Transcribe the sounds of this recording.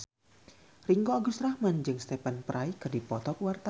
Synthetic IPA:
riŋɡoaɡust̪ɾahmand͡ʒɨŋst̪epanpɾʔajkɨrdipɔt̪ɔkwart̪a

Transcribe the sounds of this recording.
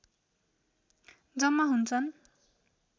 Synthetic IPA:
d͡zʌmːaɦunt͡sʰʌn

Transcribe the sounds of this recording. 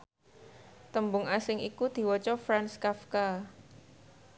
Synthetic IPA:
t̪əmbʊŋasɪŋʔikud̪̥i̤wɔt͡ʃɔfɾanskafka

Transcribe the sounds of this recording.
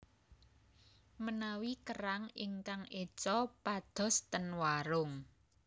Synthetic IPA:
mənawikəɾaŋɪŋkaŋʔe̥t͡ʃɔpad̪̥ɔ̤st̪ənwaɾʊŋ

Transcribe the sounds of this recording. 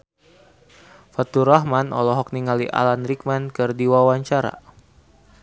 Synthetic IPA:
fat̪uɾaɦmanɔ̰lɔɦɔk̚niŋaliʔa̰lanrik̚mankɨrdiwawaɲt͡ʃaɾa̰

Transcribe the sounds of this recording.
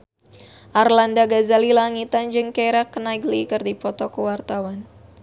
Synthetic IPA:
ʔarlandaɡazalilaŋit̪and͡ʒɨŋkaɾakːənaɡlikərdipɔt̪ɔkuwart̪awan

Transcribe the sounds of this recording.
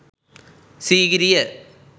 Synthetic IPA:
siːɣɐɾijɐ

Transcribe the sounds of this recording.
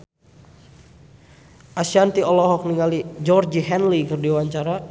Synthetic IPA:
ʔasiant̪iɔlɔɦɔk̚niŋalid͡ʒɔrd͡ʒiɦɛnlikɨrdiwaɲt͡ʃaɾa

